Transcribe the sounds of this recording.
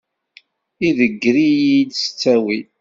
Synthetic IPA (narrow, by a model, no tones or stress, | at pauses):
iðəɡːɾijid̪sə̥t͡sːæwi